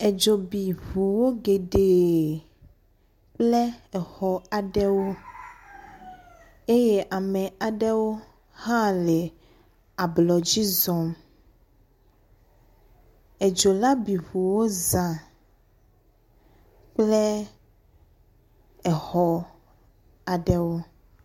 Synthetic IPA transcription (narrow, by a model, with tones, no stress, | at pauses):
e˨d͡ʒo˨bi˨vu˨wo˦ɡe˨ɖe˨ | k͡plɛ˦ɛ˨hɔ˨a˨ɖɛ˦wo˦ | e˦je˦ʔa˨mẽ˨a˨ɖɛ˦wo˦ | hã˦le˨ | a˨blɔ˨d͡ʑi˦zɔ˨m | e˨d͡ʒo˨la˦bi˨vu˨wo˦zã˨ | k͡ple˦ | ɛ˨hɔ˨ | a˨ɖɛ˦wo˦